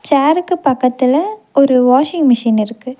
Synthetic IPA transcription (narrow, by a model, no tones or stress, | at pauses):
t͡ʃaːɾɯkːɯpɐkːɐt̪ːɪlɐɔɾɯʋaːʂɪŋɡmɪʂiːnɪɾɯkːɯ